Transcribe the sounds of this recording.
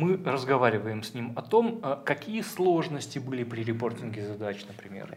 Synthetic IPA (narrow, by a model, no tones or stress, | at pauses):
mɨrəzɡɐvaɾʲɪvəjɪmsʲnʲimɐt̪o̞mkɐkʲijəslˠo̞ʐnəsʲtʲɪbɨlʲɪpɾʲɪɾʲɪpo̞rtʲɪnɡʲɪzɐd̪at͡ɕnəpɾʲɪmʲḛr